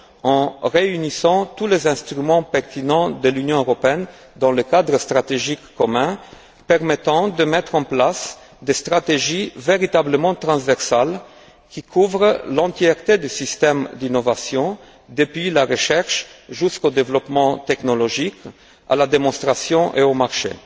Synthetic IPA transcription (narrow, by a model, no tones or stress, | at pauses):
ɑ̃ʁeynisɑ̃t̪ulezɛ̃st̪ʁymɑ̃pɛʁt̪inɑ̃d̪əlynjɔ̃øʁɔpeɛn | d̪ɑ̃ləkad̪ʁəst̪ʁat̪eʒikːɔmɛ̃ | pɛʁmet̪ɑ̃d̪əmɛt̪χɑ̃plas | d̪est̪χat̪eʒiveʁit̪abləmɑ̃t̪ʁɑ̃svɛʁsal | kikʰuvʁlɑ̃t̪jɛʁt̪ed̪ysist̪ɛmd̪inovasjɔ̃ | d̪əpɥilaʁəʃɛʁʃʒyskod̪evlɔpmɑ̃t̪ɛknolɔʒik | a̰lad̪emɔ̃st̪χasjɔ̃ʔeomaʁʃḛ